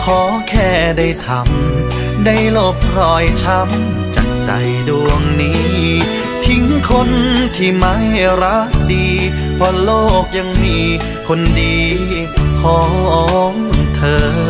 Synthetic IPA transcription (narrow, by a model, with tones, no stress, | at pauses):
kʰɔː˨˩˦kʰɛː˧˩da˥˩jt̪ʰa˧˦m | da˥˩jlo˧˩p̚ɾɔː˧˩jt͡ɕʰa˦˥m | t͡ɕa̰˨˩ŋ̚t͡ɕa̰˧˩jdu˧əŋniː˦˥ | t̪ʰi˨˦ŋkʰo˧nt̪ʰiː˧˩ma˦˥jɾa˦˥k̚diː˧ | pʰɔ˧˩loː˥˩k̚ja˧ŋmiː˧ | kʰo˧ndiː˧ | kʰɔː˨˩˦ŋʔɔː˧˦ŋt̪ʰɤː˧˩